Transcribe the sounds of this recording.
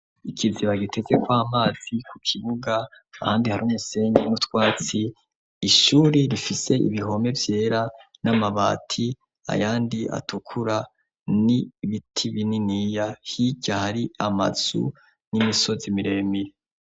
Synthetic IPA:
ikʰiziβaɡitʰe̞ze̞kwaːmaːz̥ikʰukʰiβuɡaː | haːndihaɾuːmuse̞ːɲɡenutwaːt͡siː | ʃuːɾiɾifise̞ḭβiɦo̞me̞vje̞ːɾanamaβa̰tʰi | a̰jaːndiʔa̰tʰukʰuɾa | niβitʰiβininijahiɟahaɾiama̰z̥ṵ | nimiso̞zimiɾe̞miɾe

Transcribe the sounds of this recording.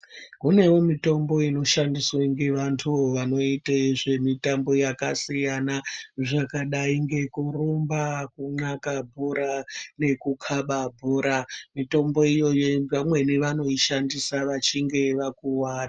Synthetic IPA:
kune̞womito̞mbo̞ino̞ʃandiswaŋɡe̞ʋantʰuoʋano̞itaʐe̞mitambo̞jakasijanaʐakaɗaiŋɡe̞kurombakuŋ͡ǀakabʱuɾane̞kukʰaɓabʱuɾamito̞mbo̞ijo̞jo̞pamwe̞neʋano̞iʃandisaʋat͡ʃiŋɡe̞ʋakuwaːra

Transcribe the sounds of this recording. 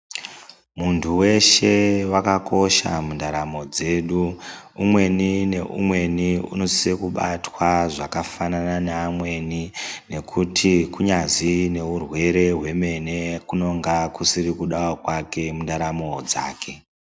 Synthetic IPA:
muntʰuwe̞ʃe̞wakako̞ʃa̰mundaɾamo̞d͡ze̞ːɗu | umwe̞nine̞ʔṵmwe̞niṵno̞siekuɓatwaʐakafanananaːmwe̞nine̞kʰutʰikuɲazine̞urwe̞ɾe̞ɦwe̞me̞ne̞kuno̞ŋɡakusiɾikuɗawokwake̞mundaɾamod͡za̰ːkʰe̞

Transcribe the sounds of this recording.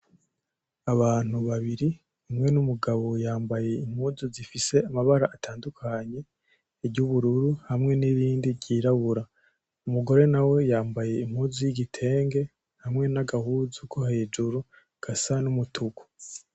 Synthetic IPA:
aβaːn̥uβaβiɾi | imŋe̞numuɡaβo̞jaːmbaje̞im̥huːzuzifise̞amaβaɾaʔːtʰaːndukʰaɲe̞ː | ɟuβuɾuɾuhamŋe̞niɾiːndiɾɟiːɾaβuɾa | umuɡo̞ɾe̞nawe̞jaːmbaje̞im̥huːzujiɟitʰe̞ːŋɡe̞ | hamŋe̞naɡahuzukʰohe̞ːd͡ʒuɾu | ɡ̥asanumutʰuɡu̥

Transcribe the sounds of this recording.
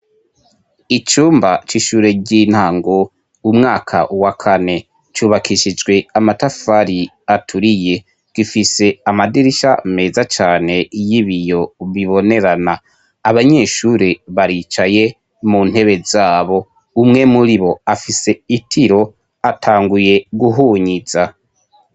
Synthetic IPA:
it͡ʃuːmbat͡ʃiʃuːɾe̞ɟiːn̥haːŋɡo̞ | umŋaːkʰa̰ʔuwakʰane̞ | t͡ʃuːβakʰiʃid͡ʒɡwe̞amatafaɾi | atʰuɾije̞ | ɡ̥ifise̞amadiɾiʃa̰me̞ːzat͡ʃaːne̞jiβijo̞βiβo̞ne̞ɾanaː | βaɲe̞ːʃuɾiβaɾiːt͡ʃaje̞ | munhe̞βe̞zaːβo̞ | umŋe̞muɾiβo̞afise̞itʰiɾo̞ | atʰaːŋɡuje̞ɡuɦuːɲiz̥a

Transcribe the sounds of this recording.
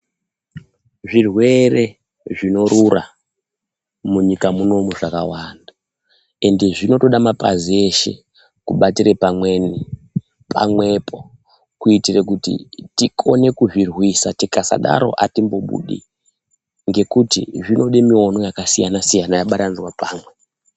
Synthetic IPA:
ʐirwe̞re̞ | ʐino̞ɾura | muɲikamuno̞muʐakawanda | e̞nde̞ʐino̞to̞ɗamapa̰zie̞ʃe̞̰ | kuɓatirepamwe̞ni | pʰa̰mwe̞pʰo̞ | kuitirekutḭtikʰone̞kuʐirwisatikasa̰ɗa̰ɾo̞̰ʔatimbo̞ɓṵɗḭ | ŋɡe̞kutḭʐino̞ɗimio̞no̞jakasijanasijanajaɓatanizwapaːmwe̞

